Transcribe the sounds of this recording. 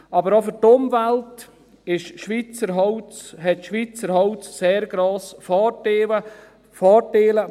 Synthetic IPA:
ɑbəɾɔfʏɾtʊmvælt | ɪʃʃʋit͡səɾɦɔwt͡sɦɛtʃʋit͡səɾɦɔwt͡sseːɾɡ̥ɾoːsfɑːteːlə | fɑːteːlə

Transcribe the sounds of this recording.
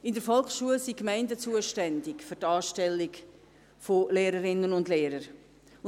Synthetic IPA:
ɪndəɾfɔlkʃuəlsikmɛɪndət͡suəʃtɛndɪkfʏɾtɑːʃtɛlːɪk | foleːɾəɾɪnənʊndleːɾəɾ

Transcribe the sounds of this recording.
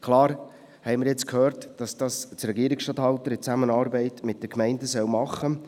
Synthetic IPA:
kʰlɑːɾ | hɛɪmɪɾjɛt͡skʰhøːɾtd̥ɑsd̥ɑst͡sɾɛɡiəɾɪksʃtɑthɑltəɾɪt͡sæmənɑːɾbɛɪtmɪt̚d̥əkmɛɪndəsœwmɑχːə

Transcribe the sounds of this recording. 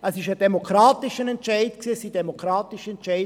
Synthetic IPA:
ɛsɪʃəd̥ɛmokɾaːtɪʃənɛntt͡ʃaɪtksiːəsid̥ɛmokɾaːtɪʃɛnt͡ʃaɪ

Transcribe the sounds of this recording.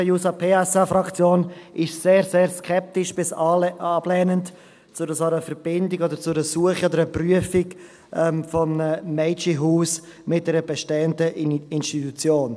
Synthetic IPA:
əjuːsɑpʰeːɛsafɾɑkt͡sjoːnʔɪʃseːɾseːɾskʰɛp̚tɪʃb̥ɪsɑblɛːnənt | t͡sʊɾəsɔɾəfɛɾbɪndɪɡodəɾt͡sʊɾəsuəχiod̪əɾəpryəfɪk | ʔɛmfɔmnəːɛɪt͡ʃiɦuːs | mɪt̚dɛɾəbɛʃteːəndəʔɪnʃtitut͡sjoːn

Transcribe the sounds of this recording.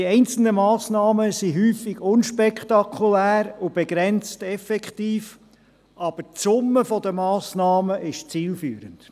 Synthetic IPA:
iɛɪnt͡sl̩nəmɑːsnɑːməsiɦyːfiɡʊnʃpɛkχt̪ɑkʰulæːɾʊb̥eɡɾɛnt͡stɛfɛkχtiːf | ɑb̥əɾtt͡sʊmːəfɔd̪əmɑːsnɑːməʔɪʃt͡siːlfyːɾənd̥

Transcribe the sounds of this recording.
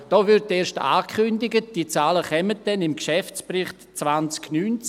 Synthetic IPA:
d̥ɔːvʏɾtːeːʃta̰ːkʰʏndɪɡətd̥iːt͡saːləχɛmət̚d̥ɛnɪmkʃɛft͡sprɪχtt͡svant͡sknyːnt͡s

